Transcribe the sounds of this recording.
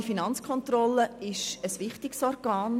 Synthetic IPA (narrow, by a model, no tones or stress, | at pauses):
ifinɑnt͡skʰχɔnt̪rɔlːəɪʃəsʋɪχtɪksɔrɡ̥aːn